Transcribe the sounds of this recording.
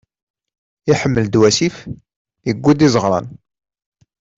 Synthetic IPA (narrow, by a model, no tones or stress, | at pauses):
iħəmːəld̪wæsif | jəɡʷːud̪izəʁɾˤɑ̰n